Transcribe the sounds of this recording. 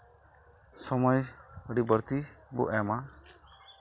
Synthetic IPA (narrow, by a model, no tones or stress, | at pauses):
sɔmɔjəɽibɔɾt̪i | bṵʔɛma